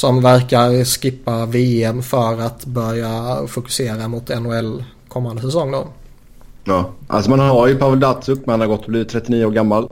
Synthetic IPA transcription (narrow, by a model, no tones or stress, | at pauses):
sɔmvæɾkaɾskɪpːaveːɛmfœɾat̪bœɾjafʊkɵ̥seːɾamʊt̪ɛnːʊɛlː | kʰɔmːand̪əsɛsɔŋːd̪o̰ː | ɑːʔa̰lsɔmanaɾjɵpʰavəld̪at̪sɵkːmɛanaɾɡɔt̪ːɔbliːvɪt̪ʰːɾɛt̪ːɪniːəoːɾɡamːal